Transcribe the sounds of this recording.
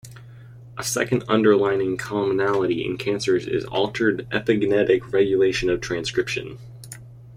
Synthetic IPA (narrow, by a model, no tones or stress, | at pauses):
ʔəsɛ̰kɨ̃ndʌ̰̃ndə˞lãɪ̃nɪ̃ŋkʰɑmənælˠəɾiɪ̰̃nkʰæ̃nsə˞zɪ̰zɔ̰lˠtʰə˞ɾʔɛpɨɡnɛɾɪkʰɹɛɡjɨleɪʃɨ̃nʌv̥tʰɹ̥æ̃nskɹ̥ɪpʃɨ̰̃n